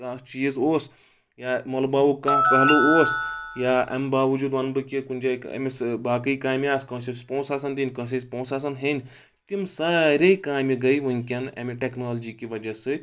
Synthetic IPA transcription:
aːt͡ʃiːzoːs | jaːmɐlɐbaːʋukãːkɐɦlooːsjaːʔɐ̰mbaːʋɐd͡ʒuːd̪ʋɐnbɨkʲikunʲd͡ʒaːkɐ̰misbaːkɨikaːmʲiaːskɐ̃ːsispõːsaːs̬ɐnd̪ʲinʲkɐ̃s̬ʲispõːsaːs̬ɐnɦenʲ | t̪imsaːɾʲejkaːmʲiɡɐiʋunʲkʲɐnɐ̰miʈeknoːld͡ʒiːkʲiʋɐd͡ʒɐsɨ

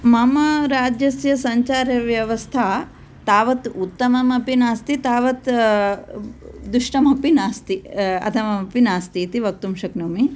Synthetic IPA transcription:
mɐmɐɾaːd͡ʒjɐsjɐsɐɲt͡ʃaːɾjɐʋjɐʋɐst̪ʰa | t̪aːʋɐt̪ut̪ːɐmɐmɐpinaːst̪it̪aːʋɐt̪ | d̪uʂʈɐmɐpinaːst̪iɐ̰t̪ʰɐʋɐmɐpinaːst̪iːt̪iʋɐk̚t̪umʃɐknuːmi

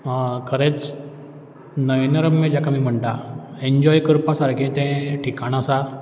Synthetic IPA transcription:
kʰəɾẽt͡s | nəʋjnɾəmːed͡ʑakʰamiːm̤əɳʈ̪aeɲd͡ʑɔjkəɾpasaɾkĩt̪ɛ̃ʈʰikaɽ̃asa

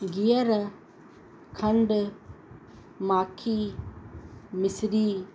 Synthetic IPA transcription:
ɡijaɾɐ | kʰɐnɖ | makʰi | misɾi

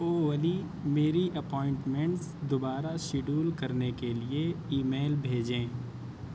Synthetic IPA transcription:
oːʋəli | meːɾiʔɐpɔːɪ̃ɳʈmɛ̃ɳʈsd̪ʊbaːɾaʃɪɖuːlkɐɾnekelieiːmeːlbʱeːd͡ʒẽː

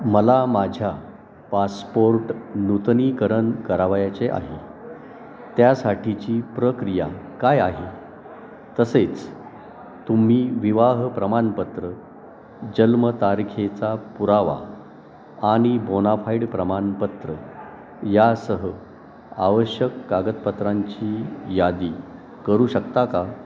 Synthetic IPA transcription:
məlamad͡ʑʱja | paspoɾʈnut̪nikəɾənkəɾaʋajat͡seʔa̰ɦi | t̪jasaʈʰit͡ɕiːpɾəkɾija̰kajaɦi | t̪əset͡s | t̪um̤iːʋiʋaɦpɾəmanpət̪ɾə | d͡ʑəlmət̪aɾkʰet͡sapuɾaʋa̰ | aɽ̃ibonafaiɽpɾəmanpət̪ɾə | jasəɦə | aʋəɕjəkːaɡət̪pət̪ɾaɲt͡ɕiːjad̪iː | kəɾuːɕəkt̪aka

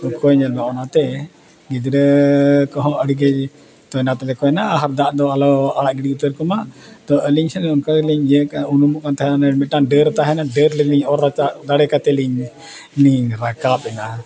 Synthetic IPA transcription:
ɔkɔɲəlmaʔɔnat̪ɛ | ɡid͡ʒɾəkɔɦɔ̃əɽiɡəd͡ʒ | t̪ɔɛnat̪ɛlɛkɔɛnaʔaɦaɾd̪aʔd̪ɔalɔaɽaʔɡiɽiut̪əɾkɔmaʔt̪ɔʔəliɲsɛnɛɔnkaliɲd͡ʒəkaunumuʔkant̪aɦɛanamɛʈanɖəɾt̪aɦɛnaɖəɾlɛliɲɔɾat͡ʃad̪aɽɛkat̪ɛliɲ | liɲɾakapɛna

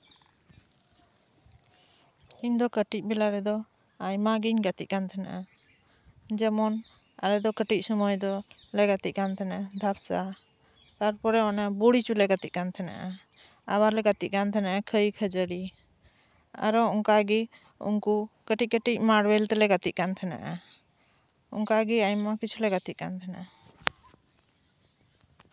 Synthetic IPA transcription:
iɲd̪ɔkəʈic̚ˀbɛlaɾɛd̪ɔ | ajmaɡiɲɡat̪ic̚kant̪ʰɛna̰ʔa | d͡ʒɛmɔn | a̰lɛd̪ɔkəʈic̚ˀsɔmɔjd̪ɔlɛɡat̪it̪̚kant̪ʰɛnaad̪ʱap̚sa | t̪aɾpɔɾɛɔnabuɽit͡ʃulɛɡat̪ic̚kant̪ʰɛna̰ʔa | a̰baɾlɛɡat̪ic̚kant̪ʰɛnaʔɛkʰəjkʰəd͡ʒəɽi | a̰ɾɔɔŋkaɡi | ṵŋkukəʈic̚kəʈic̚ˀmaɽwɛlt̪ɛlɛɡat̪ic̚kant̪ʰɛna̰ʔa | ɔ̰ŋkaɡiajmːakit͡ʃʰulɛɡat̪ic̚kant̪ʰɛnaʔɛ

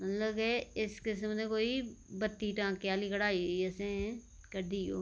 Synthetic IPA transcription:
mət̪ləbeɪskɪsmnẽkoːibət̪ːiːʈãːkeaːlikəɽaːiɛsẽ | kəɾd̪iːo̰ː

